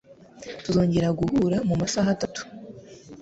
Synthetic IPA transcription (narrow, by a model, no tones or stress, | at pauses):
tuzo̞ːɲɟe̞ɾaɡuhuːɾamumasaɦatatu̥